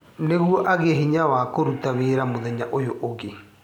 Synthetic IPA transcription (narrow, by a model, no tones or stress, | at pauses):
neɣwɔʔaɣeɦiɲawakoɾutaweːɾamoðɛɲaʔojoʔoɣe